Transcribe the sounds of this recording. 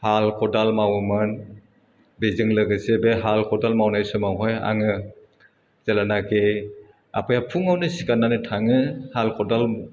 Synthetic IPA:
halkʰɔdalmawmɯn | bezɯŋlɯɡɯsebeɦalkʰɔdalmawnajsumawɦɔja̰ŋɯ | z̥elanake | a̰pʰɯjapʰuŋawnɯsi̥kanːanɯtʰaŋɯhalkʰɔdal

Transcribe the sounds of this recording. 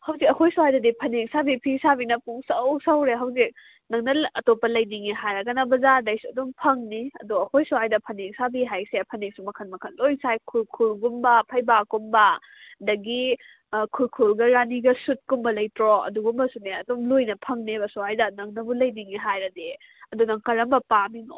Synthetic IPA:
hɐwzikɐkʰojsuhajdɐdipʰɐneŋsabipʰisabinɐpʰuŋsɐwsawɾeɦawzik̚ | nɐŋnɐɐtopːɐlɐjdiŋiɦajɾɐɡɐnɐbɐzadɐjsuɐdumpʰɐŋniɐ̰duɐkojsuhajdɐpʰɐneŋsabiɦajsepʰɐneŋsumɐkʰɐnmɐkʰɐnlojŋsajkʰulkʰulɡumbɐpʰɐjbakumbɐ | dɐɡi | kʰulkʰulɡɐɾaniɡɐsut̚kumbɐlɐjtɾɔɐ̰duɡumbɐsuneɐdumlojnɐpʰɐŋnebɐsuhajdɐnɐŋnɐbulɐjniŋiɦajɾɐde | ɐdunɐŋkɐɾɐmbɐpaminɔ̰

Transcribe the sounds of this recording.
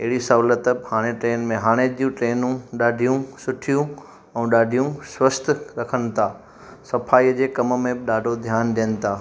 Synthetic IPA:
ɪɦɪɽisɐʋlət̪əbhaːɽ̃eʈɾeːnmẽɦaːɽ̃ed͡ʑijũʈɾeːnũɗaːɖʱijũsʊʈʰijũ | ɛ̃ːɗaːɖʱijũswəst̪ʰɾɐkʰənɪ̆t̪ʰaː | sɐpʰaːiəd͡ʑeːkɐmmẽbɪɗaːɖʱod̪ʱjaːnd̪iənɪ̆t̪ʰaː

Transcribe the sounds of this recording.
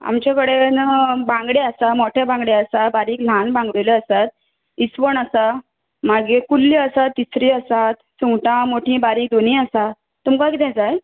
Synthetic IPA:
a̰mt͡ɕjakəɽenəbãŋɡɽeəsamoʈʰjabãŋɡɽeəsabaɾiːkl̤ãnbãŋɡʋeleəsat̪̚ | isʋəɳəsa | maɡekulːiəsat̪ːisɾiːəsat̪suŋɡʈãmoʈʰĩːbaɾiːk̚d̪on̤ĩəsa | t̪umkãkit̪ʰɛ̃t͡saj

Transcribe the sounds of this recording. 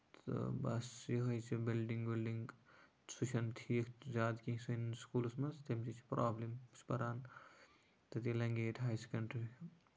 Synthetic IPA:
t̪bɐ̰sjiɦɐjt͡ʃʰibilɖiŋɡbilɖiŋɡ | t͡sʰut͡ʃʰɐnt̪ʰikʰzaːd̪kĩsunskuːlsmɐst̪emt͡ʃit͡ʃʰi̥pɾaːblimspɐɾaːn | t̪ɐt̪ilɐŋɡeːʈʰʲɦajsʰkɐɳʈɾikʰ

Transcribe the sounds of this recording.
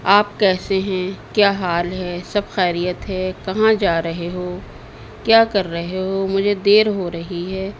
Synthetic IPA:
aːp̚kɛːseɦɛ̃kjaːɦaːlɦɛːsɐbxɛːɾijət̪ɦɛːkɐɦãd͡ʒaːɾɐɦeɦoː | kjaːkɐɾːɐɦeɦoːmʊd͡ʒʱed̪eːɾɦoɾɐɦiɦɛː

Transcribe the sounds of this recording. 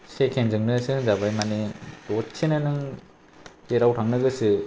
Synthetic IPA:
sekʰenzɯŋnɯsɯɯzabajmanedɔtsʰenanɯŋ | eɾawtʰaŋnɯɡɯsɯ

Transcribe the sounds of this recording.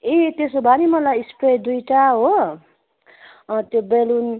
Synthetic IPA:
et̪esobʱanimʌlajispɾed̪ujʈaɦo | t̪jobelun

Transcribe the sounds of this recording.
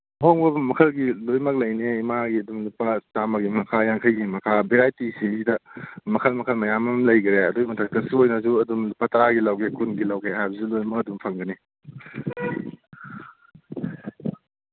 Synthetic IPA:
hoŋbɐmɐkʰɐlɡilojmɐk̚lɐjneimaɡiɐdumlupɐtamɐɡimɐkʰajaŋkʰɐjɡimɐkʰabeɾajtisiidɐmɐkʰɐlmɐkʰɐlmɐjamɐmlɐjɡiɾeɐdumɐtʰɐkːɐsiojnɐzuɐdumlupatɐɾaɡilɐwɡekʰunɡilɐwɡeɦajbɐzulojmɐk̚ɐdumpʰɐŋɡɐni

